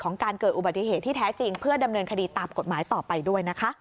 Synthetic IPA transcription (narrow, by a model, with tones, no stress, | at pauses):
kʰɔː˩˦ŋkaː˧nkɤː˨˩t̪̚ʔu˨ba˨˩t̪ːi˨˩ɦeː˨˩t̪ʰːiː˥˩t̪ʰɛː˦˥t͡ɕi˧ŋpʰɯ˥˩ɐda˧mnɤː˧nkʰa˧diː˧t̪aː˨mko˨˩maː˩˦jt̪ɔː˨˩pa˧jdu˥˩əjna˦˥kʰa˦˥ʔ